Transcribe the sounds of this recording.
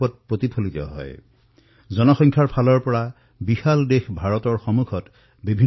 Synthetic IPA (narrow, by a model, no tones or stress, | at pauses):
ɔt̚pɹot̪ipʰolit̪ɔ̰ɦɔ̰j | zɔnɔxɔŋkʰaɹpʰalɔɹpɔɹa | bixaldexbʱaɹɔtɔɹxɔmukʰɔt | bibʱi